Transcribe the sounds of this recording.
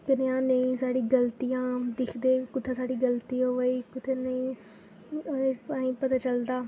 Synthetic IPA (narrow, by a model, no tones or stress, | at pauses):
kɐɗɪjãnẽsaːɽiɡɐlt̪ijãd̪ɪkʰd̪ekʊt̪ʰesaːɽiɡɐlt̪ijoʋɐikʊt̪ʰenei | paːĩpɐt̪at͡ɕɐld̪aː